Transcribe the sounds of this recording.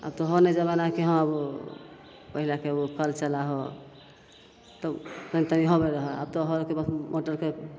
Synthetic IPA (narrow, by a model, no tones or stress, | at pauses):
a̰b̚t̪ɔɦɔned͡ʒəbanakeɦə̃abu | pəɦilakebukʰəlt͡ʃəlaɦo | t̪ɔtənt̪amiɦobɛɾəɦɛa̰b̚t̪ɔɦɔɾkebəsmoʈəɾke